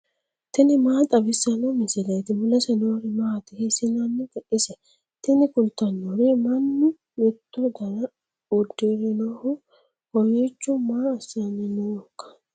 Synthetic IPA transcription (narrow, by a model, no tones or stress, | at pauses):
t̪ɪnɪmaːt̪ʼɐbɪsːɐnomɪsɪlɐjt̪ɪmʊlɐsɛnoːɾɛmaːt̪ɪhesɪnɐnːɪɡ̪ɐʔɪsɛ | t̪ɪnɪkʊlt̪ːɐnːoɾɛmɐnːɪ | mɛt̪ːɔd̪ɐnɐ | ʊd̪ːeɾɪnoːhʊ | wɔjet͡ʃːʊmaːɐsanɪnoːkːɐ̥